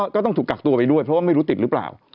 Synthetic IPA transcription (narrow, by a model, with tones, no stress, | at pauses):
kɔː˥˩ɔ˥˩ŋt̪ʰuː˨˩kːa˨˩k̚t̪u˧əpa˧jdu˥˩əjpʰɾɔ˥waː˥ma˥˩jɾu˦˥t̪i˨˩ɾɯ˦˥pla̰ː˨˩w